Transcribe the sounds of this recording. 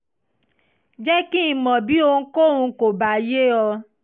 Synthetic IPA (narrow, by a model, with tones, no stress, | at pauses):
d͡ʒɛ˦ki˦˨mɔ̃˨bi˨˦o˧ŋ̩˦ko˦ũ˧˦ko˨ba˨˦je˦ɔ˧